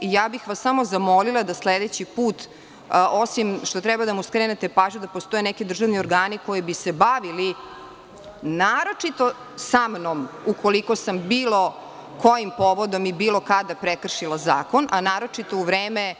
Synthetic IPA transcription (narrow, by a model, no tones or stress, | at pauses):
ijaːbixʋasamozamo̞lilˠad̪asled̪et͡ɕipuːt̪ | osimʃt̪o̞t̪ɾɛbad̪amuskɾenet̪e̞paːʒɲud̪apost̪o̞jenɛkid̪r̩ʒaʋnioɾɡaːniko̞jibisebaʋili | naːɾo̞t͡ʂit̪o̞ | samnomukʰoliko̞sambiːlˠo̞ | ko̞jimpo̞ʋod̪o̞mibiːlˠo̞kad̪apɾekr̩ʃilˠazaːko̞nʔanaːɾo̞t͡ʂit̪o̞uʋɾeːme